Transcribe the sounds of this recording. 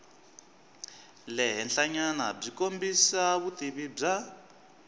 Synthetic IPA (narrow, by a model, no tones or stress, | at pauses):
lɛɦɛnɬaɲanab͡ʐikombisaβut̪iβib͡ʐa